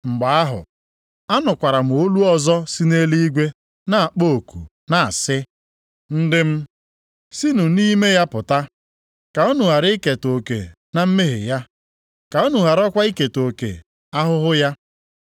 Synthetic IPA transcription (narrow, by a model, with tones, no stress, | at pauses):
ŋ͡m̩˨ɡ͡ba˨a˦ɦʊ̰˨ | a˦nʊ˨kʷa˨ɾa˨m̩˨o˦lu˦ɔ˦zɔ˦si˦ne˦li˦i˦ɡʷe˦ | na˦˨a˨k͡po˦˨kṵ˨ | na˨a̰˨sɪ˦ | n̩˦dɪ˦m̩˦ | si˦nu˨ni˦me˦ja˦pʊ˨ta˦ | ka˨ɔ˦nu˨ɦa˨ɾɪ˦ke˨to˨kḛ˨ | na˦m̩˦me˦ɦɪ̰˨ja˦ | ka˨ɔ˦nu˨ɦa˨ɾɔ˦kʷa˦i˦ke˨to˨kḛ˨ | a˦ɦʊ˦ɦʊ˦ja˦